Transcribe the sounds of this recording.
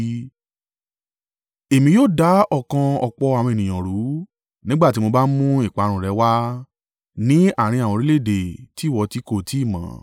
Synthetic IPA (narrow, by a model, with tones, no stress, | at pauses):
e˨mĩ˧˦joː˦˨da˨˦ɔ˦˨kã˧ɔ˧k͡pɔ˧a˨wɔ̃˧e˨nĩ˨j̃ã˨ɾu˨˦ | nĩ˦ɡ͡ba˦˨ti˨˦mo˧ba˦mũ˦i˦˨k͡pa˨˧ɾ̃ũ˨ɾɛ˨˧˦wa˦ | nĩ˦a˦˨ɾ̃ĩ˧a˨wɔ̃˧ɾi˦le˦˨de˨ti˨˦˨wɔ˧ti˦ko˧˨ti˦i˦˨mã̰˨˦